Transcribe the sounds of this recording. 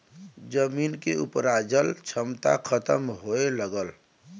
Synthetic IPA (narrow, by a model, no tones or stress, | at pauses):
d͡ʒəmiːnkeṵpɾad͡ʒəlt͡ʃʰəmt̪a̰kʰət̪əmɦoeləɡəl